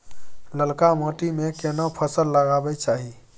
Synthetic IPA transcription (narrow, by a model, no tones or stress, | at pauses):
ləlkamoʈimekenəpʰəsəlːəɡabɛt͡ʃaɦi